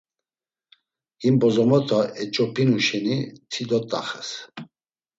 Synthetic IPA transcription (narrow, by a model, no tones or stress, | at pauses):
imbɔzɔmɔt̪ʰʼɔɛt͡ʃʼɔpʰinuʃɛnit̪ʰid̪ɔt̪ʼa̰χɛs